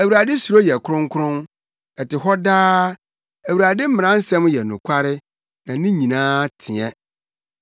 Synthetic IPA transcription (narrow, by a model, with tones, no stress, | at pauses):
æ˨wu˨ɾa˨dɪ˦su˨ɾo˦jɛ˨kʰʊ˦ɾʊ̃˦ŋ˦kʰʊ˦ɾʊ̃˦n | ɛ˨tɪ˨ɦɔ˦daː˦ | æ˨wu˨ɾa˨dɪ˦m̩˦mɪ̃˨ɾã˦n̩˦sɛ̃˦m˦jɛ˨nʊ̃˨kʷʰa˦ɾɪ˦ | nã˨nĩ˦ɲĩ˨nãː˦tʰi˨ɛ̃˦